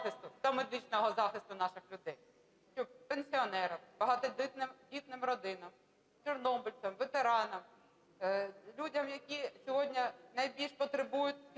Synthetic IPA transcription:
ɪst̪ʊd̪ɔmed̪ɪt͡ʃnɔɦɔzɑxɪst̪ʊnɑʃɪxlʲʊd̪ɛj | t͡ʃʲuppenʲsʲiɔnɛɾɐmb̥ɐɦɑt̪ɔdʲɪt̪nɪmdʲit̪nɪmrɔd̪ɪnɐm | t͡ʃɛrnɔbʊlʲt͡s̪ɐmʋet̪eɾɑnɐm | lʲudʲɐmjɐkʲisʲɔɦɔdʲnʲɐnɐjbʲilʲʃpɔt̪ɾebujʊt̚ʲ

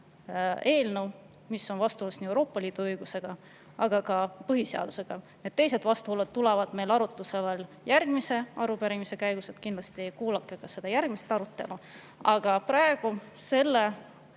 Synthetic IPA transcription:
e̞ːlnəw | misːo̞nvɑst̪uolusniewɾo̞ːpːɑliːd̪̥uɤjɡ̥use̞ɡ̥ɑ | ɑɡ̥ɑkɑpɤɦise̞ɑ̰d̪̥use̞ɡ̥ɑ | net̪̚ːt̪ːe̞jse̞d̪̥vɑst̪uholːet̪t̪ːulevɑd̪̥me̞jlɑɾut̪ːˑuse̞vel | jærɡ̥mise̞ɑɾupæɾimise̞kæjɡ̥uset̪kinlɑst̪iejkuːlɑkːˑekɑse̞d̪̥ɑjærɡ̥mist̪ɑɾut̪ːˑe̞̰lu | ɑɡ̥ɑpɾɑeɡ̥u | se̞lːe

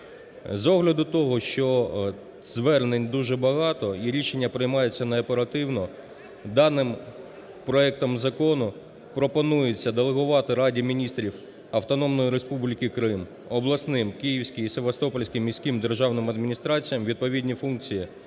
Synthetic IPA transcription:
zɔɦlʲɐd̪ʊt̪ɔɦɔʃt͡ʃɔ | z̥ʋɛrnenʲd̪uʒɛbɐɦɑt̪ɔiɾʲiʃe̞nʲːɐpɾɪjmɑjʊt͡sʲːɐnɐɐpeɾɐt̪ɪwnɔ | d̪ɑnɪm | pɾɔɛk̚t̪ɔmzɐkɔnʊ | pɾɔpɔnujʊt͡sʲːɐd̪elˠeɦʊʋɑt̪ɪɾɑdʲimʲinʲist̪ɾʲiw | ɐwt̪ɔnɔmnɔjiɾespublʲɪkɪkɾɪm | ɔblˠɐsnɪmkijiwsʲkʲɪjiseʋɐst̪ɔpɔlʲsʲkʲɪmːʲisʲkimd̪erʒɑwnɪmɐd̪mʲinʲist̪ɾɑt͡sʲijɐmʋʲid̪̚pɔʋʲidʲnʲifunk̚t͡sʲiji

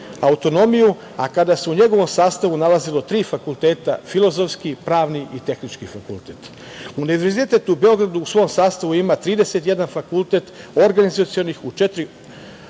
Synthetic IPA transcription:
aut̪o̞no̞miju | a̰kad̪aseuɲe̞ɡo̞ʋo̞msaːst̪aʋunalazilo̞t̪ɾiːfakulˠt̪e̞ːt̪a̰filˠo̞zo̞fskipɾaːʋniʔit̪e̞xnit͡ʃkifakṵlt̪et̪ | uniivʋeɾzit̪et̪uube̞o̞ɡɾad̪uːsʋo̞ːmsaːst̪aʋuimat̪ɾiːd̪e̞se̞t̪je̞d̪anfakulˠt̪e̞t̪o̞ɾɡanizat̪sijo̞nixut͡ʃet̪ɾi

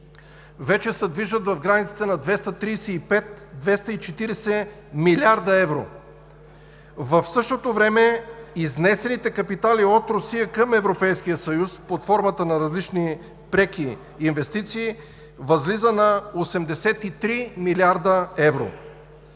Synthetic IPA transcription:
vɛt͡ʃɛsɛd̪viʒət̪vɐvɡɾanit̪sə̥t̪ɛnɐd̪vɛst̪ət̪ɾisɛipɛt̪d̪vɛst̪ɐit͡ʃɛt̪iɾɛsɛ | milʲiaɾd̪əɛvɾo̰ | vəfsɤʃt̪ot̪ovɾɛmɛiznɛsɛnit̪ɛkɐpit̪aliot̪ɾosijəkəmɛvɾopɛjsk̟ijəsɐjuspot̪fɔɾmət̪ənɐɾɐzlit͡ʃni | pɾɛkiː | nvɛst̪it̪siː | vɐzlizənɐosɛmd̪ɛsɛt̪it̪ɾimiliaɾd̪əɛvɾo̰

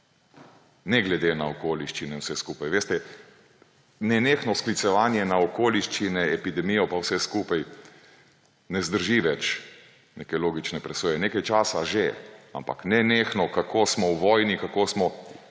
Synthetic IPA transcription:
nɛɡlɛd̪enaokoːliʃt͡ʃinɛwsɛskuːpajʋeːst̪ɛ | nɛneːxnɔsklit̪sɛʋaːnjɛnaokoːliʃt͡ʃinɛɛpid̪ɛmijɔpawsɛskuːpaj | nɛzd̪əɾʒiʋɛt͡ʃ | neːkɛloːɡit͡ʃnɛpɾɛsoːjɛneːkajt͡ʃaːsaʒea̰mpaknɛneːxnɔkakʰoːsmɔwʋɔːjnikakoːsmɔ

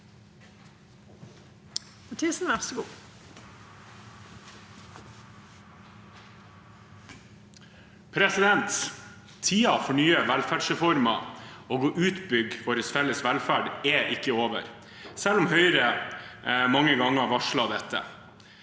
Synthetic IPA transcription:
ʊʈʰiːsn̩ʋæʁsɡuː | pʰɾɛsɪd̪ɛnt̪ | t̪ʰiːɑfɔɳyːəʋælfæɖsɾɛfɔɾmɑoːɡɔʔʉːt̪bʏɡfɔɾəsfɛləsʋælfæːɖɛʔɪkːəoːʋə̰ɾ | sɛlːʊmhœʏɾə | mɑŋːəɡɑŋːəʋɑʂlɑd̪ɛt̪ːə̰

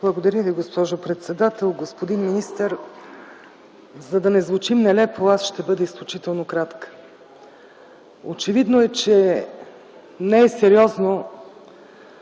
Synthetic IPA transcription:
blˠɐɡod̪ɐɾʲəviɡospɔʒopɾɛt̪sɛd̪at̪ɛlˠɡospod̪inminist̪əɾ | zɐd̪ɐnɛzvʊt͡ʃimnɛlɛpoasʃt̪ɛbɤd̪ɛisklʲut͡ʃit̪ɛlˠnokɾat̪kə̥ | o̰t͡ʃɛvid̪noɛt͡ʃɛ | nɛɛsɛɾiɔzno

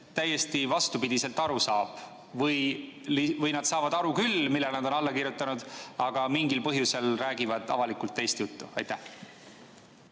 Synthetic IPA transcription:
t̪æjːe̞st̪ivɑst̪upid̪̥ise̞lt̪ɑɾusɑːb̥ | vɤjlivɤjnɑd̪sɑːvɑd̪ɑɾukylmilːelnɑd̪o̞nɑlːɑkirjut̪ːˑɑnud̪̥ɑɡ̥ɑmiŋɡilpɤɦjuse̞lræːɡivɑd̪̥ɑ̰vɑlikult̪ːe̞jst̪jut̪ːuɑ̰jt̪æh

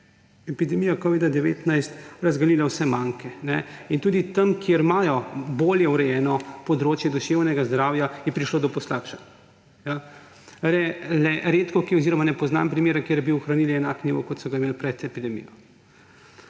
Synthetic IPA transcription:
ɛpid̪ɛmijakɔʋid̪ad̪ɛʋḛːt̪najst̪ɾazɡalilawsɛmaːŋkɛnɛint̪uːd̪it̪ɐmkjeɾmaːjɔboːljɛwɾɛjɛːnɔpɔd̪ɾoːt͡ʃjɛd̪ɔʃeːwnɛɡazd̪ɾaːwjajɛpɾiʃloːd̪ɔpɔslaːkʃḁ | ja | ɾɛlɛɾet̪kɔkiɔziɾɔmanɛpɔzna̰mpɾimeːɾakjeɾjɛbiuxɾaniːliɛnakniʋɔ̰kɔt̪sɔɡaimeːlpɾɛt̪ɛpid̪ɛmḭjɔ

